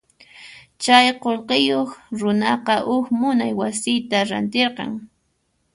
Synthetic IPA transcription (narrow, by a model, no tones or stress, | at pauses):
t͡ʃajqolqejoχɾʊnɑqɑʔʊkmʊnajwasɪjt̪aɾa̰nt̪eɾqɑ̰ŋ